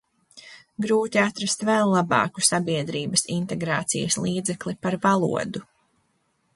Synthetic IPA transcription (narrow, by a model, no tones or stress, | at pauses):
ɡɾuːt̪iat̪ɾast̪vɛlˠːabɑ̰ːku̥sabiɛd̪ɾiːbɐsint̪ɛɡɾaːt̪sḭjəslˠiːd̪zɛklipaɾvalˠṵɔd̪u